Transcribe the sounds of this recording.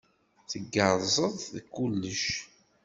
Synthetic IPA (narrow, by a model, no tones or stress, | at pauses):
θəɡːəɾˤzˤəðˤðkːulːəʃ